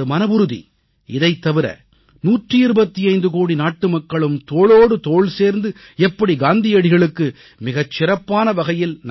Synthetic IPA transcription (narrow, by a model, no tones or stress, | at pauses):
ɯmɐnɐbʊɾɯðḭ | ɪðɐɪt̪ːɐʋɪɾɐ̰ | nuːʈrɯɪɾɯbɐt̪ːiɐɪnd̪ɯkoːɽinaːʈːɯmɐkːɐɭɯmt̪oːɭoːɽɯt̪oːɭseːɾnd̪ɯ | ɛpːɐɽiɡaːnd̪ɪjɐɽɪɣɐɭɯkːɯ | mɪɣɐt͡ʃːɪɾɐpːaːnɐʋɐɣɐjɪln